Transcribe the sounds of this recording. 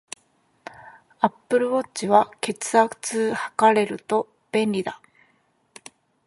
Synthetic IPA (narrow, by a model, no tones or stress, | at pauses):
apːɯ̟ɾɯ̟βo̞t͡ɕiβake̞t͡sɨakɯ̟̥t͡sɨːhḁkaɾe̞ɾɯ̟t̪o̞ | b̥ẽ̞nʲɾʲid̪a